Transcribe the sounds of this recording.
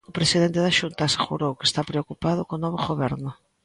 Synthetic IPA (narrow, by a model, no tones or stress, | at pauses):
ʊpɾesiðent̪ɪðaʃunt̪aseɣṵɾowke̥st̪apɾeokupaðʊkonɔβoɣoβɛɾnʊ